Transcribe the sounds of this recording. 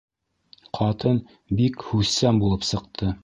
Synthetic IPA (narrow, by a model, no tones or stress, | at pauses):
qʰɑt̪ɤn | bikhʉsæmbulˠɤpsɤ̆q̚t̪ʰɤ